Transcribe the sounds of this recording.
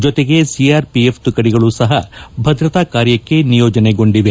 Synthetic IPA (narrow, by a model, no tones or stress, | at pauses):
d͡ʒɔt̪e̞ɡe̞siaːɾpiept̪ukɐɽiɡɐɭusɐɦɐbʱɐd̪ɾɐt̪aːkaːɾjɐkːe̞nijoːd͡ʒɐneɡo̞ɳɖiʋe